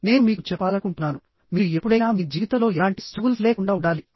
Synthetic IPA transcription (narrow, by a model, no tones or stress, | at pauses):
ne̞ːnumiːkut͡ʃɛpːaːlɐkuɳʈunaːnu | miːɾuepːuɽɐjnaːmiːd͡ʒiːʋit̪ɐlo̞ːɛlaːɳʈi̥skuːlsleːkuɳɖaːuɳɽɖaːli